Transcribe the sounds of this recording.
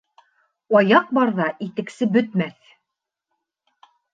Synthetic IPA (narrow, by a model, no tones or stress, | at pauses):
ɑjɑq̚bɑɾðɑʔit̪ɘ̆ksɘbɵ̆t̪mæθ